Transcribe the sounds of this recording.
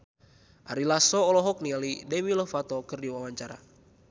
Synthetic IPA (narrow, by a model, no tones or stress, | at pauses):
ʔaɾilasɔɔlɔɦɔk̚nialidɛwilɔfat̪ɔkɨrdiwawaɲt͡ʃaɾa̰